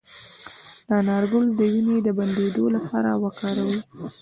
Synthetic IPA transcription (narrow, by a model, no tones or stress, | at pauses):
d̪̥ɑnɑɾɡʊld̪əwined̪əband̪ed̪olapɑɾawakɑɾawə